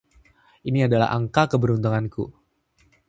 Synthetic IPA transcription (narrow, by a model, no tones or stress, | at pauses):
ʔiniadala̰ɦa̰ŋkakəbəɾunt̪uŋankṵ